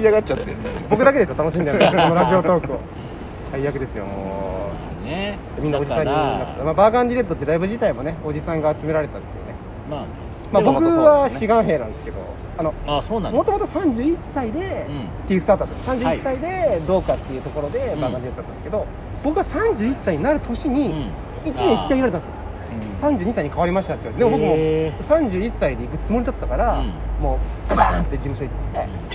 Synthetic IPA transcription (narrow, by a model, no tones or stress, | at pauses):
iaɡat͡ɕat̪ːebo̞k̬ɯ̟d̪ake̞d̪esɨot̪ano̞ɕ̬imʲid̪ekonoɾaʑio̞t̪o̞ːkɯ̟o̰ | saiːakɯd̪e̞sɨjo̰mo̰ː | d̪emʲĩnːaod͡ʑisãɲʲːinak̪ːemaːbaːkãnd̪ʲiɾe̞t̪ːot̪ːe̞ɾaibɯ̟ʑit̪aimo̞ne̞o̞d͡ʑisãŋɡaːt͡sɨme̞ɾaɾe̞t̪at̪ːejiɯ̟̰ːne̞ | ma | mabo̞kkɯ̟βaɕiɡãɰ̃ɦe̞ːnãnd̪esɨ̥ke̞d̪o̞̰ | ano̞asonmo̞t̪o̞mo̞t̪osãɲ̟d͡ʑɨːisːaid̪e̞ | t̪ːejɯ̟sɨt̪at̪at̪sãɲd͡ʑɨːiisːaid̪e̞d̪o̞ːkat̪ːe̞jɯ̟ːt̪o̞ko̞ɾo̞d̪e̞bãɡãd͡ʑit̪at̪anesɨ̥ked̪o̞ | b̥o̞kɯ̟βasãɲ̟d͡ʑɨːisːaiɲ̟inaɾɯ̟t̪ʰo̞ɕiɲ̟i | it͡ɕimẽçi̥kʲːaiɾaɾet̪ãnesjo | sãɲd͡ʑɨːɲ̟isaiɲikaβaɾʲimaɕt̪at̪ejiɾd̪eobokɯmosãɲ̟d͡ʑɨːisːaid̪e̞ikɯ̟t͡sɨmo̞ɾʲid̪at̪ːakaɾamo̞ːbɯant̪ːe̞d͡ʑimɯ̟ɕo̞it̪ːe̞